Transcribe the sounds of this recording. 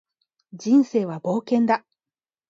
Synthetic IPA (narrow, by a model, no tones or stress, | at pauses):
d͡ʑĩɰ̃se̞ːβabo̞ːkẽ̞nd̪a